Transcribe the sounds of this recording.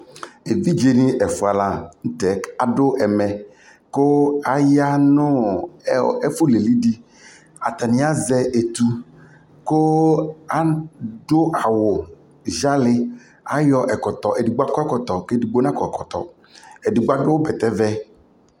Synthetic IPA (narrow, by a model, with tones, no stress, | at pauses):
e˨vi˦d͡ʒe˦nĩ˦ʔɛ˨fu˨a˨la˨ŋ̩˦t̪ɛ˨ka˨ɖʊ˦ʔɛ˨mɛ̃˨ | ko˦a˨ja˦nʊ̃˦ | ɛ˦fu˦le˨li˦di˦ | a˨t̪a˨nĩ˨˦a˦zɛ˦ʔe˨t̪u˦ | ko˦a˦ɖʊ˦ʔa˨wʊ˨ | ʒa˦lɪ˦ | a˦jɔ˦ʔɛ˨kɔ˨t̪ɔ˨ʔe˨di˨ɡ͡ba˦kɔ˦ɛ˦kɔ˨t̪ɔ˨ke˦di˨ɡ͡bo˦nã˦kɔ˨kɔ˨t̪ɔ̰˨ | ɛ˨di˨ɡ͡ba˦ɖʊ˦wbɛ˨t̪ɛ˦vɛ˦